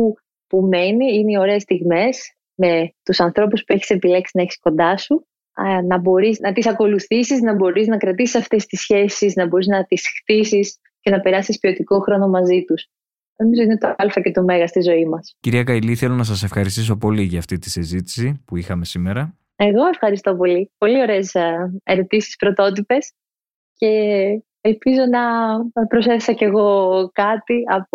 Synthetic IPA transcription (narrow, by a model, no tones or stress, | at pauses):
u | pume̞niineio̞ɾe̞ːst̪iɣme̞s | me̞t̪usɐnθɾo̞puspue̞çi̥se̞pile̞ksinɐeçi̥sko̞nd̪ɐsu | nɐbo̞ɾiznɐt̪isɐko̞luθisiznɐbo̞ɾiznɐkɾɐt̪isi̥sɐft̪e̞st̪isçe̞sisnɐbo̞ɾiznɐt̪isxt̪isis | ce̞nɐpe̞ɾɐsispio̞t̪iko̞xɾono̞mɐzit̪us | no̞mizo̞inet̪ɐɐlfɐce̞t̪ome̞ɣɐst̪izo̞imɐsciɾiɐkɐjliθelo̞nɐsɐse̞fxɐɾist̪iso̞po̞liʝɐːft̪it̪i̥sizit̪i̥sipuixɐme̞simeɾɐ | e̞ɣo̞e̞fxɐɾist̪o̞po̞lipo̞lio̞ɾe̞ːseɾo̞t̪isi̥spɾo̞t̪o̞t̪ipe̞s | ce̞ | elpizo̞nɐpɾo̞seθesɐce̞ɣo̞kɐt̪iɐp